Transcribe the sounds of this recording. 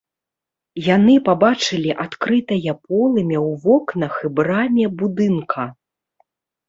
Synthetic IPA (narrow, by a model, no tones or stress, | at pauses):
janɨpabat͡ʂɨlʲiʔat̪kɾɨt̪ɐjɐpɔlˠɨmʲɛwvɔknɐxɨbɾamʲɛbud̪ɨnkʰɐ